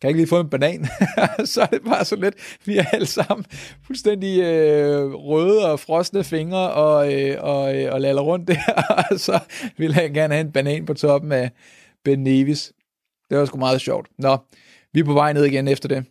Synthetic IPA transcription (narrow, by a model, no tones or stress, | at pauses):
kʰæeɡ̥əliːfɔ̰̽enb̥ænɛ̰ːnsɒ̽æɐd̥e̝b̥ɑ̈ːsɒ̽led̥ʋiææləsɑ̈m̰n̩fulsd̥en̰d̥iø | ʁœːð̩ˠɒ̽fʁɒ̽sd̥nəfe̝ŋɐɒ̽øɒ̽øɒ̽lælɐʁɔ̽n̰d̥æsɒ̽ʋe̝lɦænɡ̥æɐnəhæe̝nb̥ænɛ̰ːnpʰɒ̽t͡sʰɒ̽b̥m̩æ | b̥enːe̝ʋis | d̥e̝ʋɑ̈sɡ̥umɑ̈ːð̞̩ˠɕɒʊ̰d̥nɒ̽ | ʋipʰɒ̽ʋɑ̈ɪ̰neð̰ˠiɡ̥enefd̥ɐd̥e̝